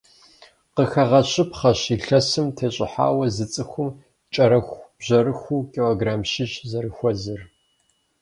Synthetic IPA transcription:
qəxɐʁɐɕʼɪpχɐɕiːɬɐsɨmtʰeːɕʼɪ̰ħa̰ːwɐzɨt͡sʼɨxʷʊm | t͡ʃʼɐɾɐxʷb̥ʑɐɾɨxʷuːkʲʼiloːɡraːmʃɪt͡ʃʼzɐɾɨxʷɔzɨr

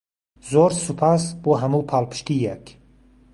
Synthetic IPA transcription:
zoɾsupʰasbɔɦamupʰalpʰɨ̥ʃt̪ijekʰ

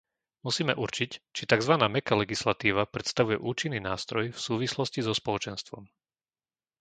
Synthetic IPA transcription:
musiːmɛʔuɾt͡ʃict͡ʃit̪aɡzʋanaːmɛkalɛɡislat̪iːʋapɾɛt̪st̪aʋujɛʔuːt͡ʃinːiːnaːst̪ɾɔjfsuːʋislɔscizɔspɔlɔt͡ʃɛnst̪ʋɔm

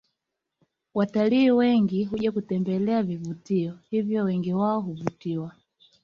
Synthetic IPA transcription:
wataliːwɛŋɡiɦuʄakutɛmbɛlɛavivutiɔhivjɔwɛŋɡiwaɔɦuvutiwa

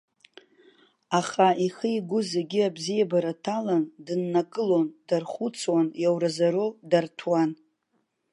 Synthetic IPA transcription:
aχaiχəiɡʷʊzeɡʲɪabzijabaɾatʰalandɨnːakʼɨlondarχut͡sʰwanjawɾazaɾodartʰwan

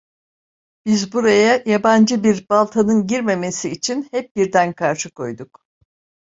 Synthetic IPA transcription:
b̥izbuɾajajaband͡ʒɯbiɾbalˠt̪ʰanɯnɟiɾme̞me̞siːt͡ʃʰinhɛp̚biɾd̪ænkʰaɾʃɯkʰo̞jd̪uk

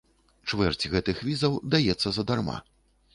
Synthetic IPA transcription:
t͡ʂvɛrt͡sʲɣɛt̪ɨxvʲizɐwd̪ajɛt̪sːɐzɐd̪arma̰

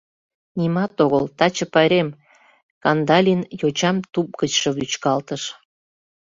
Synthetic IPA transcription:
nimɑt̪oɣəlt̪ɑt͡ɕəpɑɾem | kɑnd̪ɑlʲinjot͡ɕɑmt̪up̚ɡət͡ɕʃɤβyt͡ɕkɑlt̪əʃ

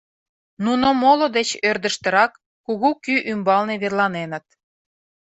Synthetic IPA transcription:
nunomolod̪et͡ɕørd̪ə̆ʃt̪ə̆ɾɑkː | uɣukyʔymbɑlneβerlɑnenə̆t̪̚

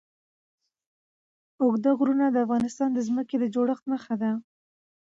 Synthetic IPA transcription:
ʊɡd̪əɣɾunad̪əafɣɑnɪst̪ɑnd̪əzməked̪əd͡ʒoɽəxt̪məxad̪a

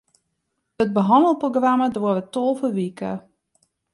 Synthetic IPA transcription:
ət̚bəɦɑndəlˠproɡramədʋoəʋətolˠfəʋikə̰

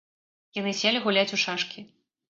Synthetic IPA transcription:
janɨsʲɛlʲiɣulʲat͡sʲuʂaʂkʲi

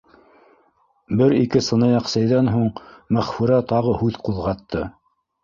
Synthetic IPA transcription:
bɘɾikɘsɤ̆nɤjɑqsæjðænɦuɴmæχfuɾæt̪ɑʁɤhʉðquðʁɑt̪ːɤ

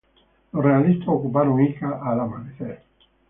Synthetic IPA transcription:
lorealist̪aokupaɾoŋikaʔalamaniθe

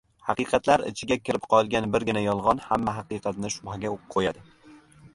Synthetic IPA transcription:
hɑqɨjqʰɑt̪laɾɪ̰t͡ʃʰɪɡʲakʲʰɪɾɪpqʰɒlˠɡʲanbɪɾɡʲɪnajɒlˠʁɒnhamːaɦɑqɨjqɑt̪nɪʃʊbhaɡʲaoqʰojad̪ɪ

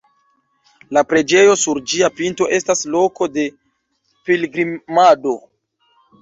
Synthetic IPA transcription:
lapɾe̞d͡ʒe̞jo̞suɾd͡ʒiapinto̞ʔe̞staslo̞ko̞de̞ | pilɡɾimado̞

